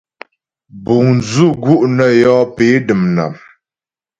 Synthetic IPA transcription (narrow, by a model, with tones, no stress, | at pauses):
bu˨ŋnzu˦˨ɡu˦ʔnə˨jɔː˦pe˨˦dɨ˨mna̰˨m